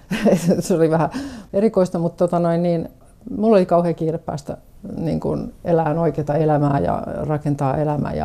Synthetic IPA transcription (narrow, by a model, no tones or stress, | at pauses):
eseoliʋæhæerikoist̪ɑmut̪t̪ot̪ɑnoinniːn | mulːolikɑuheːkiːrepːæ̰ːst̪æ | nḭːŋkṵnelæːnoikeːt̪ɑelæmæːjɑ̰rɑkent̪ɑːelæmæ̰jɑ̰